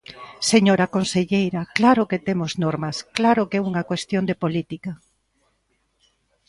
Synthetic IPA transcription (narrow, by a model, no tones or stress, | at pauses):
seɲoɾɐkonseʎejɾɐklaɾʊket̪emʊznoɾmɐsklaɾʊkeɛuŋɐkwest̪jond̪epolit̪ikɐ